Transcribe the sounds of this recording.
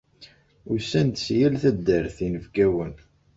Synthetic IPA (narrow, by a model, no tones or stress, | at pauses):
ʊɾsænt̪sjælθæd̪ːəɾθinəvɡæwən